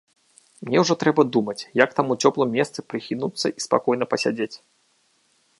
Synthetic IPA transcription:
mnʲɛwʐɔt̪ɾɛbɐd̪umɐt͡sʲjakt̪amut͡sʲɔplˠɨmʲːɛst̪sɨpɾɨxʲinut̪sːɐʔispa̰kɔjnɐpɐsʲad͡zʲet͡sʲ

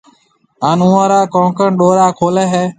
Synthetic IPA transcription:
ɦaːnũːãːɾaːkõːkəɳɗoːɾaːkʰoːleːɦɛː

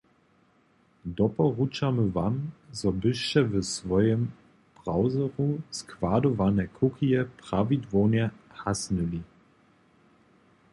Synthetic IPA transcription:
d̪ɔpɔʁut͡ʃaməvamzɔbɪʃt͡ʃɛvəsvɔjɛm | b̥ʁawzɔʁuskv̥adɔvanɛkʰukʰijɛpʁ̥avidvɔnjɛhasnuli

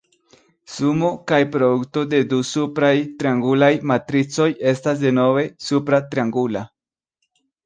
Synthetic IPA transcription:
sumo̞kajpɾodukto̞de̞dusupɾajtɾiaŋɡulajmatɾit͡so̞je̞stas̬de̞no̞ve̞supɾat̪ɾiaŋɡula

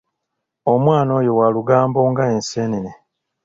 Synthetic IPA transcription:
o̞mwaːno̞ːjowaluɡaːmbo̞ːŋɡaenseːnene

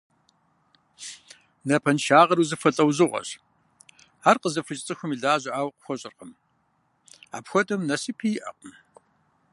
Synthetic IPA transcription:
nɐpʰɐnʃaːʁɐɾuːzɨfɐɬʼɐwzɨʁʷɐ̰ɕ | aːrqəzɐfɨt͡ʃʼt͡sʼɨxʷʊmiɮaːʑɐʔaːwqəxʷɔɕʼɪrqəm | a̰ːpxʷɔtʼɐmnɐsipʰijɪʔɐ̰q̚ʼn

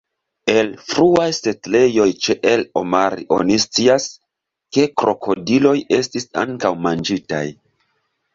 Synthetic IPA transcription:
e̞lfɾuajse̞tle̞jo̞jt͡ʃe̞ʔelo̞̰maɾḭʔo̞̰nist͡sias | ke̞kɾo̞kʰo̞dilo̞je̞stisa̰ŋkawmand͡ʒita̰j

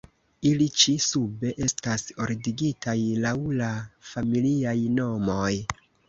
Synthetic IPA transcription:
ilit͡ʃisube̞ʔe̞staso̞ɾdiɡitajlawlafamiliajno̞mo̞j

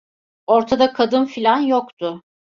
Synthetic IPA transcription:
o̞ɾt̪ʰad̪akʰad̪ɯnfilʲanjokt̪ʰʊ

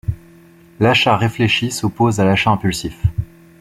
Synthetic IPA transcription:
laʃaʁefleʃisopozalaʃaɛ̃pylsif

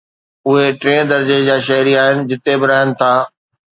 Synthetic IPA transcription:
ʊɦeʈɾẽːɽd̪ɐɾd͡ʑed͡ʑaːʃɐɦɾiaːɦɪnɪ̆d͡ʑɪt̪ebɪɾaːɦənɪ̆t̪ʰaː

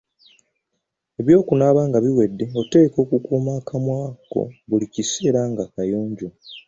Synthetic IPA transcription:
e̞βjo̞ːkunaːβaːŋɡaβiwe̞dːeo̞te̞ːko̞ːkukuːmaːkʰamwaːko̰βulicise̞ːɾaːŋɡaːkajo̞ːɲɟo

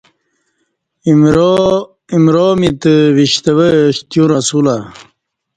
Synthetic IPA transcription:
imɾomit̪əʋiɕt̪əwəɕt̪juɾasula

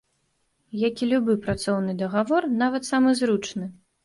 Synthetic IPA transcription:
jakʲilʲubɨpɾat̪sɔwnɨd̪ɐɣavɔrnavɐt̪samɨzɾut͡ʂnɨ

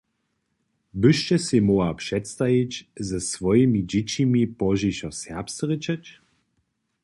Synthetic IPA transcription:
bɨʃt͡ʃɛsemɔapʂɛtst̪ajit͡ɕzɛsʋɔjimid͡ʑit͡ɕimipɔʒiɕɔsɛɐpst̪ʁət͡ɕɛt͡ɕ

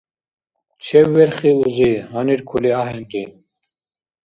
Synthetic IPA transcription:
t͡ɕʰɛwːɛɾχiuziɦaniɾkʰuliaɦɛnd̪i

